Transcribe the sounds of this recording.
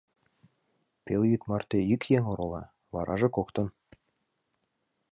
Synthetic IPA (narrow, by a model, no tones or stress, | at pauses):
pelʲjyt̪mɑrt̪ejykjeŋoɾolˠɑ | βɑɾʔɑʒɤ̆kokt̪ɤ̆n